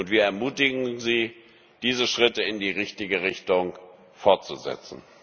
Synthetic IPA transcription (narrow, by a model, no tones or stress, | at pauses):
ʔʊntv̥iːɐɛɐmuːtɪɡŋ̩ziː | d̥iːzəʃʁ̥ɪtəɪndiːʁɪçtɪɡəʁɪçtʊŋ | fɔɐt̚t͡suzɛ̰t͡sn̩